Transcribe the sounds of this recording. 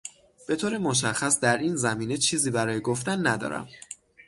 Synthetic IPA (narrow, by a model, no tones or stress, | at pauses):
b̥e̞t̪ʰoːɾemoʃ̬æxæsd̪æɾiːnzæmiːnet͡ʃʰiːziːbæɾɒːjeɡoft̪ænːæd̪ɒ̰ːɾæ̰m